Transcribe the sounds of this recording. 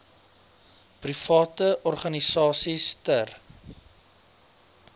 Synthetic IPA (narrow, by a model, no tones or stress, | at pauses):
prifɑːtəʔɔrχɐnisɑːsistər